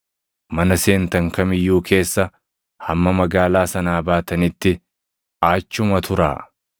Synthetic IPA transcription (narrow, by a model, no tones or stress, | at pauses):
mɐnɐse̞ːnt̪ɐŋkɐmɪjːuːkʰe̞ːsːɐ | hɐmːɐmɐɡaːlaːsɐnaːbaːt̪ɐnɪt̪ːɪ | aːt͡ʃːʊmɐt̪ʰʊɾa̰ː